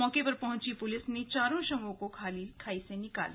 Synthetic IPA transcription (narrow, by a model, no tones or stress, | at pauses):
ɔːkepɐɾpɐɦʊ̃t͡ʃipʊlɪsnẽt͡ʃaːɾõʃɐmõkokʰaːlikʰaːisẽnɪka̰ːl